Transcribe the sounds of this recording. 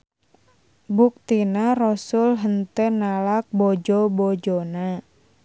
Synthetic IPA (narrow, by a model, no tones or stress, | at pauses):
buk̚t̪inarɔsʊlɦənt̪ənalak̚bɔd͡ʒɔbɔd͡ʒɔna